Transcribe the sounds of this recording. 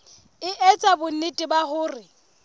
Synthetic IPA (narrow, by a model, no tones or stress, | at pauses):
ɪʔɛt͡sʼabʊn̩ɪtʼɪbahʊːrɪ